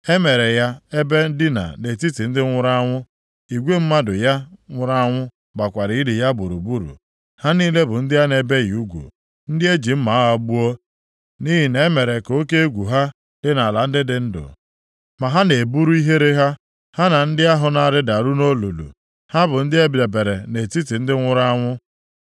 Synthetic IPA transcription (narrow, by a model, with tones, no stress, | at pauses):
e˦me˨ɾe˨ja˦e˦be˦n̩˦dɪ˦na̰˨ne˨ti˦ti˨n̩˦dɪ˦ŋʷʊ˦ɾa˦ŋʷʊ˦ | i˨ɡʷe˦m̩˦ma˦dʊ˨ja˦ŋʷʊ˦ɾa˦a˦ŋʷʊ˦ | ba˨kʷa˨ɾɪ˨˦i˦dɪ˨ja˦bu˨ɾṵ˨bu˦ɾṵ˨ | ha˦niː˦le˦bʊ˨n̩˦dɪ˦ja˦ne˦be˦ji˨u˦ɡʷṵ˨ | n̩˦dɪ˦e˦d͡ʒi˨m̩˦ma˨˦ɦɔ˦ɡ͡bu˦ɔ˦ | ni˦ɦi˨ne˨˦me˨ɾe˨ko˦ke˦e˦ɡʷu˨ɦa˦ | lɪ˦na˨la˨n̩˦dɪ˦dɪ˨n̩˦dʊ̰˨ | ma˨ɦa˦ne˨bu˦ɾu˦i˦ɦe˦ɾe˦ɦa˦ | ha˦na˨n̩˦dɪ˦a˦ɦʊ˨na˦˨ɾɪ˦da˨ɾu˦no˦lu˨lṵ˨ | ha˦bʊ˨n̩˦dɪ˦e˦be˨be˨ɾe˨ne˨ti˦ti˨n̩˦dɪ˦ŋʷʊ˦ɾa˦ŋʷʊ˦